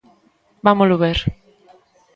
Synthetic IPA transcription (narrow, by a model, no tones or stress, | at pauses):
bamoloβeɾ